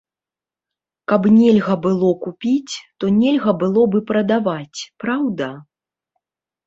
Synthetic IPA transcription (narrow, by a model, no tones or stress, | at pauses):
kɐbnʲɛlʲɣɐbɨlˠɔkupʲit͡sʲt̪ɔnʲɛlʲɣɐbɨlˠɔbɨpɾɐd̪avat͡sʲpɾawd̪ɐ